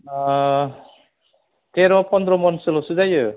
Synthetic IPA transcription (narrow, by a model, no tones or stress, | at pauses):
t̪eɾɔpɔnd̪ɾɔmɔnsɯlɔsuzajɯ